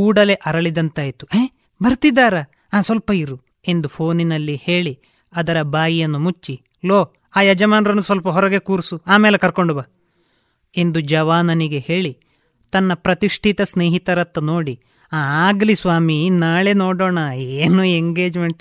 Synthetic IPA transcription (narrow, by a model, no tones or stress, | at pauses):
kuːɽɐle̞ʔɐɾɐɭid̪ɐnt̪aːjit̪ueː | bɐɾt̪id̪ːaːɾɐ | aːsʋɐlpɐiɾu | e̞nd̪upʰo̞ːninɐlːihe̞ːɭi | ɐd̪ɐɾɐbaːjijɐnːumut͡ʃːi | loː | aːjɐd͡ʒɐmaːnɾɐnːusʋɐlpɐɦɔɾɐɡe̞kuːɾsuaːmeːlekɐɾko̞ɳɖubaː | e̞nd̪ud͡ʒɐʋaːnɐniɡe̞he̞ːɭi | t̪ɐnːɐpɾɐt̪iʂʈʰit̪ɐsneːɦit̪ɐɾɐt̪ːɐno̞ːɽi | aːaːɡlisʋaːminaːɭenoːɽoːɳɐeːnueŋɡe̞ːd͡ʒmeɳʈ